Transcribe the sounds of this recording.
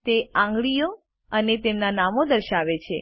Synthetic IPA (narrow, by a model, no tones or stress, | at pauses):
t̪eãŋɡɭijo | ənet̪emnanamod̪əɾʃaʋet͡ʃʰḛ